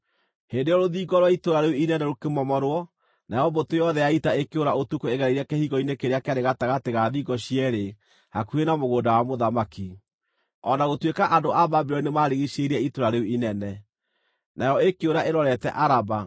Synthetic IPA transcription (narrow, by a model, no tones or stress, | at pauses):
hendejɔɾoðiɡɔɾwaitoɾaɾeuinɛnɛɾokemɔmɔɾwɔ | naejɔbotojɔðɛjaitaekeoɾaotukoeɣɛɾɛiɾakehiɣɔinekeɾeakeaɾeɣataɣateɣaðiɡɔɕiɛɾe | hakuenamoɣoːndawamoðamaki | ɔnaɣotwekaʔandoababeɾɔinemaɾeɣiʃeɾiɛitoɾaɾeuinɛnɛ | naeɾɔekeoɾaeɾɔɾɛtɛ̰ʔaɾaba